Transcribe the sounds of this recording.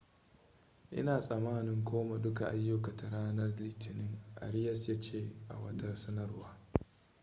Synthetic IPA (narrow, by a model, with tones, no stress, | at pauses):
ʔɪ̰˦naː˨sʼɐ˨maː˦nɪ˦ŋkʰʷoː˦ma˨dʊ˦ka˨ʔa˦jːʊ˦ka˨ta˨ɽaː˦nɐ˦rlɪː˦tɪ˨nɪ˦ŋʔa̰˨ɽɪ˦jɐ˦sjɐ˦t͡ʃeː˦ʔa̰˨wɐ̰˦tɐ˦sɐ˦nɐ˦rwaː˦